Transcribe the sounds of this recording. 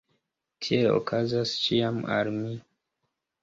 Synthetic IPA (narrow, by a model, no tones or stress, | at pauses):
tʰielo̰kʰazast͡ʃiama̰lmi